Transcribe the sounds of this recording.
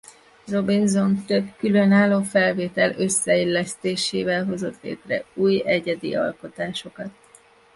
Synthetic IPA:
ro̞binzo̞nt̪ø̞bkylønaːlːoːfɛlveːt̪ɛløsːɛilːɛst̪eːʃeːvɛlɦo̞zo̞t̪lḛːt̪rɛ̰uːjɛɟɛd̪ḭɒ̰lko̞t̪aːʃo̞kɒt̪̚

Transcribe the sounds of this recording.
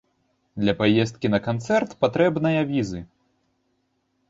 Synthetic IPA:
d̪lʲɐpajɛst̪̚kʲinɐkant̪sɛrt̪pat̪ɾɛbnɐjɐvʲizɨ

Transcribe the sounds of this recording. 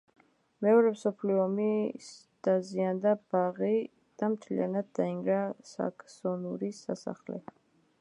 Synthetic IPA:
mɛɔɾɛmsɔpʰliɔmis | d̪̥aziand̪ab̥aʁi | d̪̥amt̪ʰlḭa̰nad̪̚d̪aiŋɡɾasa̰kʰsɔnuɾisasa̰χlɛ̰

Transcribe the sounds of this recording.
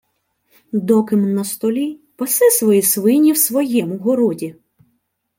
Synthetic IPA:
d̪ɔkɪmnɐst̪ɔlʲipɔsɛsʋɔjisʋɪnʲiwsʋɔjɛmʊɦɔɾɔdʲi

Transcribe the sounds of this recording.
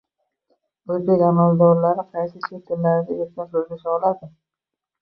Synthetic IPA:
ɵzbekʲamald̪ɒɾlaɾɪqʰɑjsɪset̪ʰɪmlaɾɪd̪ʲaeɾkʲɪnk̪ʰoɾɡ̪ʲasɒlad̪ɪ

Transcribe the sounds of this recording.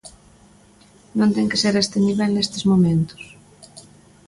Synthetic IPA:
nõnt̪ɛŋke̥seɾest̪ɪniβɛlnest̪ɪzmomẽnt̪ʊ̥s

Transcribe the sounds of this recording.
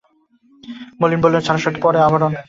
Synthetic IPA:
molinbolːent͡ɕʰaɾaʃaʈipɔɾeabaɾon

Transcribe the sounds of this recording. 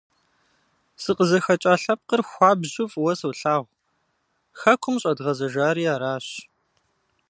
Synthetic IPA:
sɨqəzɐxɐt͡ʃʼaːɬɐp̚qərxʷɑːbʑʊfʼwɐsɐwɬaːʁʷ | xɐkʷʰʊmɕʼɐdʁɐzɐʒaːɾiːaːɾaːɕ

